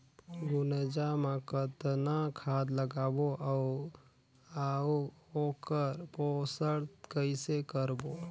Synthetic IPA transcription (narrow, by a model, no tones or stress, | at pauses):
ɡʊnəd͡ʒamãkət̪nakʰaːd̪ləɡaːboʔa | aoːkəɾposəɽkəɪsekəɾbo